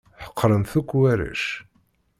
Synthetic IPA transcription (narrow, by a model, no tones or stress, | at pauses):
ħə̥qʰːɾənθukʷːwæɾæ̰ʃ